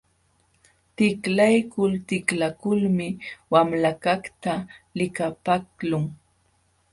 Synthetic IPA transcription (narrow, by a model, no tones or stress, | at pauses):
t̪ɪklajkʊlt̪ɪklakʊlmɪwamlakakt̪alɪkapaklʊŋ